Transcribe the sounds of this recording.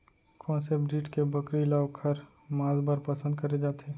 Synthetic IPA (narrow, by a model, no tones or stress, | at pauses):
kʰɔːnsepɖiːʈkebɐkɾilaːʋkʰɐɾ | mãːzbəɾpɐsə̃nd̪kɐɾed͡ʒaːt̪ʰeː